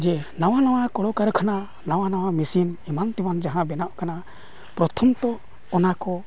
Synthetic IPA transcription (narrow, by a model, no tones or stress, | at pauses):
d͡ʒɛnaw̃anaw̃akɔɽɔkaɾkʰana | nawanaw̃amisinimant̪imand͡ʒaɦãbɛnaʔkana | pɾɔt̪ʰɔmt̪ɔː | nakɔ